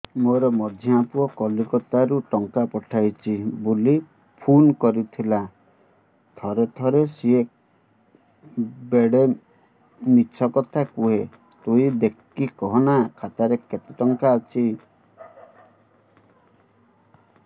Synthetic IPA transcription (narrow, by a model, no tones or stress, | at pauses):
moɾɔmɔd̪ʱjɔapuɔkɔlukɔt̪aɾuʈɔŋkapɔʈʰajt͡ʃʰibuli | pʰunkɔɾit̪ʰila | t̪ʰɔɾet̪ʰɔɾesiek | beɽe | mit͡ʃʰɔkɔt̪ʰakuɦe | t̪uid̪ekː | ikɔɦɔnakʰat̪aɾeket̪iʈɔŋkaːt͡ʃʰi